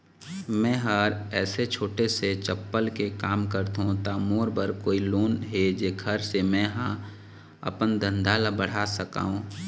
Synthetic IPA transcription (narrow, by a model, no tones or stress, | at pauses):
mɛ̃ːɦəɾɛːset͡ʃʰoːʈeset͡ʃəpːəlkekaːmkəɾt̪ɦõt̪amoːɾbəɾkoːiloːnɦed͡ʒeːɡʰʱəɾsemɛ̃ɦã | ɐ̰pənd̪ə̃nd̪ʱaːlabəɽ̤aːsəka̰ːɦũː